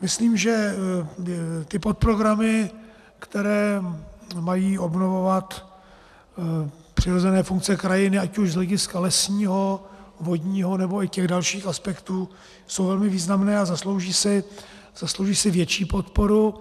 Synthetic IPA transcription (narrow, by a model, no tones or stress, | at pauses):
mɪsliːmʒɛ | t̪ɪpot̪̚pɾoɡɾamɪ | kt̪ɛɾɛː | majiːʔo̞bno̞vo̞vat̪ | pr̝̥ɪɾo̞zɛnɛːfuŋk̚t͡sɛkɾajɪnɪacuʒzlɛɟɪskalɛsɲiːɦo̞vo̞d̪ɲiːɦo̞nɛbo̞ɪcɛɣdalʃiːxaspɛkt̪uː | so̞wvɛlmɪviːznamnɛːazaslowʒiːsɪ | z̥aslowʒiːsɪvjɛt͡ʃiːpo̞t̪po̞ɾu